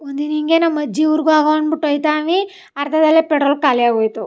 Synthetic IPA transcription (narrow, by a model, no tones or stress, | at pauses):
und̪iniŋɡeːnamɐd͡ʒːiuɾɡuaːɡɐɐɳbuʈːɐjt̪aːʋi | ɐɾt̪ʰɐd̪ɐlːepeʈɾoːlkaːliaːɡojt̪u